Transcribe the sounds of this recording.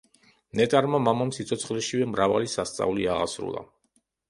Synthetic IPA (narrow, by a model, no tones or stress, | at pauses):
nɛt̪ʼaɾmamamamsit̪sʰɔt̪sʰχlɛʃivɛmɾavalisast̪sʼa̰uliaʁasɾṵlˠa̰